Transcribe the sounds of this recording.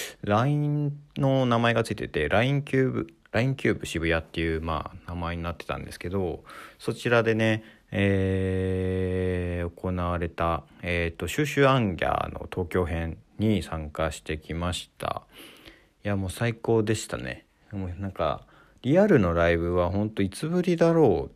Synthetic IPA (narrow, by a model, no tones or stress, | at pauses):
ɾaĩnno̞namae̞ɡat͡sɨit̪et̪e̞ɾʔaĩŋkʲɨːbɯ | ɾaĩŋkʲɨːbɯ̟ɕibɯ̟jat̪ːe̞jɯ̟ːma̰ːnamae̞ɲ̟inat̪ːe̞̥t̪ã̰nd̪e̞sɨ̥ke̞d̪o̞so̞t͡ɕiɾad̪e̞ne̞ | eː | o̞ko̞naβaɾe̞t̪aet̪ːo̞ɕɨːɕɨːãŋɡʲa̰no̞̰t̪ʰo̞ːkʲo̞ːɦẽ̞nɲisãŋkaɕi̥t̪e̞kʲimaɕi̥t̪ʰa̰ | jamo̞ːsaiko̞ːd̪e̞ɕi̥t̪a̰ne̞̰ | monãŋka̰ | ɾʲiaɾɯ̟no̞ɾaibɯ̟β̞aɦõ̞nt̪o̞it͡sɨbɯ̟ɾʲid̪aɾo̞ː